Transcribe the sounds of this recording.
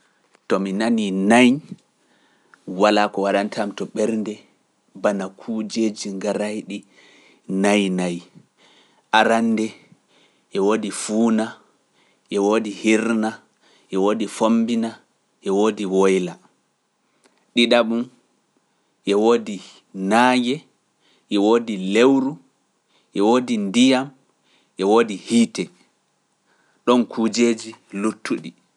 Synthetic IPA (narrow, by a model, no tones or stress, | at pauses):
tɔminaninaj | walaːkɔwaɗantʰamtɔɓɛɾndɛ | banakʰud͡ʒeːd͡ʒiŋɡaɾajɗi | najnaj | ʔaɾanːdɛ | ʔɛwodifuːna | ʔɛwodihiɾna | ʔɛwodifombina | ʔɛwoːdiwɔjla | ɗiɗaɓum | ʔɛwodi | naːjɛ | ʔɛwoːdilewɾu | ʔɛwoːdindijam | ʔɛwoːdihiːtɛ | ɗɔnkʰuːd͡ʒeːd͡ʒilutʰːuɗi